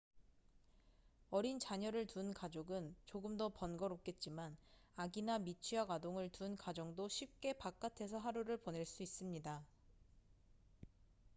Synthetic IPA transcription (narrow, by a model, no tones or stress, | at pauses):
ʌɾint͡ɕaɲʌɾɯɭtunkad͡ʑoɡɯnt͡ɕoɡɯmdʌpʌnɡʌɾok̚k͈e̞t̚t͡ɕ͈imanaɡinamit͡ɕʰiaɡwadoŋɯɭtunkad͡ʑʌŋdoɕʰip̚k͈e̞pak͈atʰe̞sʰʌɦaɾuɾɯɭpone̞ɭs͈uis͈ɯmɲida